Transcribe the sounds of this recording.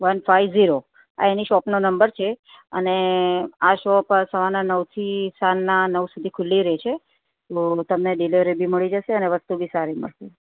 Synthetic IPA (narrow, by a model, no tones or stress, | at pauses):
ʋənfʰajʋziɾo | a̰eniʃɔpnonəmbəɾt͡ʃʰe | ə̰neaʃɔpəɾsəʋananəʋt̪ʰisalnanəʋsud̪ʱikʰʊlːiɾɛt͡ʃʰe | t̪ot̪əmneɖileʋɾebʱiməɭid͡ʒəʃeəneʋəst̪ubʱisaɾimə̰ɭse